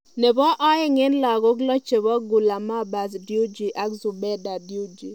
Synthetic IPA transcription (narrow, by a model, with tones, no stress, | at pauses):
ne˨bɔ˦ʔɔ˦ɪ˦ŋɪ˦nla˨ɡo˦klɔ˦t͡ʃe˨bɔ˦ɡʊ˨la˨ma˦ba˨zdju˦d͡ʒi˨ʔa˦kzu˨bɛ˦da˨dju˦d͡ʒi˨